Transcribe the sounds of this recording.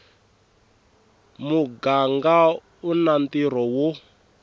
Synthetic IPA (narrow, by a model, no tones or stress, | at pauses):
muɡaŋɡa | unant̪iɾ̤ɔwo